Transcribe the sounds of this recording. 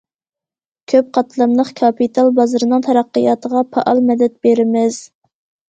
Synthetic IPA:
kʲʰøp̚qʰɑt̪ʰlˠɑmlˠəχkʰɑpit̪ʰɑlˠbɑzɾɨnɨŋt̪ʰɛɾɑqːəjɑːt̪ʰəʁɑpʰɑʔɑlˠmɛd̪ɛt̪̚beɾɪmɪz̥

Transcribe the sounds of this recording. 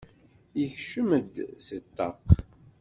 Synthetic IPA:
jəçʃəməd̪sət̪ːɑq

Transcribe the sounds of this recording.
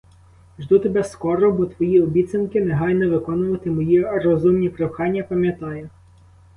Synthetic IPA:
ʒd̪ut̪ebɛskɔɾɔbɔt̪ʋɔjiɔbʲit̪t͡s̪ʲɐnkɪnɛɦɑjnɔʋɪkɔnʊʋɐt̪ɪmɔjirɔzumnʲipɾewxɑnʲːɐpɐmʲjɐt̪ɑjɛ

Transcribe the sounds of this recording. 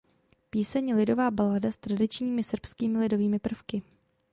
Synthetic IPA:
piːsɛɲɛlɪdo̞vaːbaladast̪ɾadɪt͡ʃɲiːmɪsr̩pskiːmɪlɪdo̞viːmɪpr̩fkɪ

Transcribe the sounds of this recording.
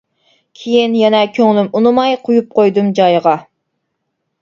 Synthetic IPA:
kʲʰejinjɛnɛkʲʰøŋlymunɨmɑjqʰʊjup̚qʰojd̪ɨmd͡ʒɑjʁɑ

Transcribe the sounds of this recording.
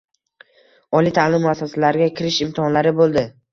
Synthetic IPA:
ɒlit̪ʰalɪmːʊasːasalaɾɪɡʲakʲʰɪɾɪʃɪmt̪ʰɪhɒnlaɾɪbolˠd̪ɪ

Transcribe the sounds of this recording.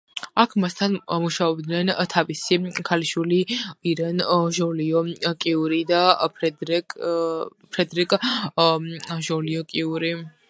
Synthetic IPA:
akʰmast̪ʰanmuʃaɔb̚d̪nɛnt̪ʰavisikʰaliʃwiliiɾɛnʒɔliɔkʼiuɾid̪aɛ | pʰɾɛd̪ɾikʼ | ʒɔliɔkʼiuɾi

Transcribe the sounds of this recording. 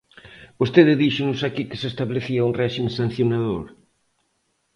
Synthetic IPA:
bost̪eðɪðiʃʊnʊsakikɪ̥sest̪aβleθiauŋrɛʃimẽsan̟θjonaðoɾ

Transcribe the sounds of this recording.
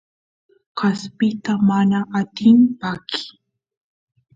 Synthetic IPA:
ɢɑspɪt̪amanaʔat̪ɪmpakʰɪ̥

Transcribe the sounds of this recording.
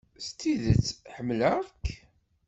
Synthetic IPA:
st̪ːiðət͡sːħəmːləʁk

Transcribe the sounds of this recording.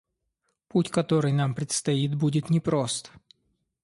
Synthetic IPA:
putʲkɐt̪o̞ɾɨjnampɾʲɪt̪st̪ɐit̪̚budʲɪt̪nʲɪpɾo̞st̪

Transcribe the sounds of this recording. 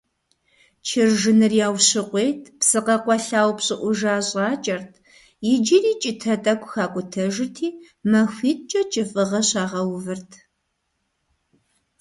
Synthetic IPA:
t͡ʃʰɪrʒɨnɨrjaːwɕɪqʷejtʰpsɨqɐqʷɔɬaːwpɕʼɪʔʷʊʒaːɕʼaːt͡ʃʼɐrtʰ | jɪd͡ʒiriːt͡ʃʼɪtʰɐtʼɐkʷʰʼxaːkʷʼʊtʰɐʒɪtʰiː | mɐxʷiːt̚ʼt͡ʃʼɐt͡ʃʼɪfʼɨʁɐɕaːʁɐwvɨrtʰ

